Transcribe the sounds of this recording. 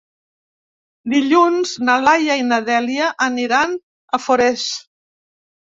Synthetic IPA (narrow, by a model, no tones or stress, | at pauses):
d̪iʎunznalajainəðɛliaʔəniɾan | əfoɾɛs